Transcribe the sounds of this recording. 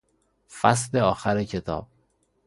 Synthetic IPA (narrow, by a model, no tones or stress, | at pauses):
fæs̬leɒːxæɾecʰet̪ʰɒ̰ːb̥̚